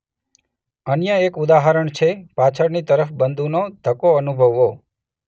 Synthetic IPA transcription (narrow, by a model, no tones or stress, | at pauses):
ənjəekud̪aɦəɾəɳt͡ʃʰepat͡ʃʰəɾnit̪əɾəfbənd̪ʱunod̪ʱəkoənubʱəʋːo